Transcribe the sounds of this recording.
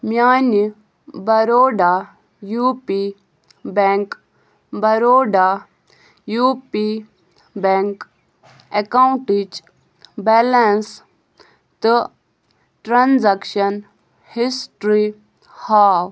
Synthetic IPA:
mjaːni | bɐɾoːɖa | juːpi | beŋk | bɐɾoːɖa | juːpi | beŋk | ekawɳʈid͡ʒ | bɛlɐns | t̪ɨ | ʈɾanzɐkʃɐn | hisʈɾi | haːw

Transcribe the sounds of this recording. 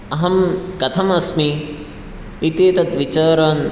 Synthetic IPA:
ɐɦɐmkɐt̪ʰɐmɐsmi | it̪eːt̪ɐt̪ʋit͡ʃaːɾaːn

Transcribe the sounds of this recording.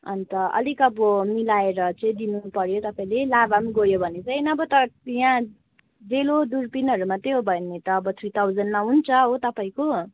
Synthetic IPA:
ʌ̰nt̪ʌʌ̰likʌbʌmilaeɾʌt͡sʌĩd̪inupʌɾjot̪ʌpaĩlelabamɡʌjobʱʌnet͡sʌinʌːbʌt̪ʌjã | d͡zelod̪urpinɦʌɾumat̪eɦobʱʌnːet̪ʌːbʌt̪ʰit̪ʰawd͡zʌnmaɦunt͡sʰʌɦot̪ʌpaĩko

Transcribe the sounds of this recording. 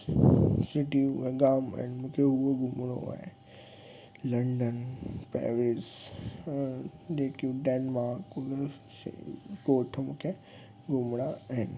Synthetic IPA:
sɪʈiueɡaːma̰ɦɪnmũːkʰeɦuoɡʱʊmɽ̃o̰a̰ːɦḛ | lɐ̃ɳɖənpɾḛːʋɾɪs | d͡ʑeːkiũɖeːnmaːɾkun | sɡoːʈʰmũːkʰe | ɡʱʊmɽ̃aaɦɪnɪ

